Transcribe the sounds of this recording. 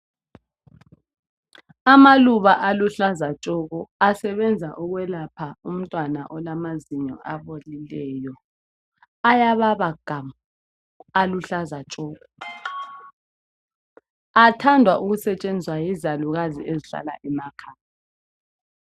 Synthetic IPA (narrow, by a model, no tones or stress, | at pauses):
amaluβaʔaluɬazat͡ʃʼɔɣɔasɛβɛnd͡zʱaʔɔɣwɛlapʰaum̩tʼwana̰ʔɔlamaziɲɔ̰ʔaβolilɛːjɔ | ajaβaβaɡ̥ʱam | aluɬazat͡ʃʼɔːɣɔ | atʰandʱwaʔuɣusɛt͡ʃʼend͡zʱwajizaluɣaziʔeziɬa̰la̰ʔɛmakʰaːja